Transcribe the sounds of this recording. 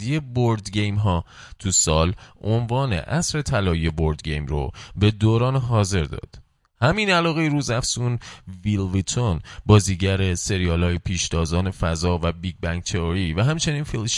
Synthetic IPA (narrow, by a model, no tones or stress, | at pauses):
ije̞boɾd̪ɟe̞jmɦɒː | t̪ʰusɒːlʔonvɒːnḛʔæsɾe̞t̪ʰælɒːije̞boɾd̪ɟejmro̰be̞d̪oːɾɒːnɦɒːze̞ɾd̪ɒ̰ːd̪̥ | hæminælɒːɣe̞jɾuːzæfsunvilvit̪ʰonbɒːziːɟæɾe̞se̞ɾijɒːlhɒːjepʰiːʃd̪ɒːzɒːnefæzɒːvæbiːɡ̚bæŋɟ̚t̪ʰeɒɾivæɦæmt͡ʃʰe̞niːnfilʃ